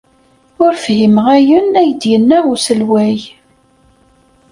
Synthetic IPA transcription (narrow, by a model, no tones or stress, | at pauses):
ʊɾfhimʁæjənæjəd̪jənːæusəlwæj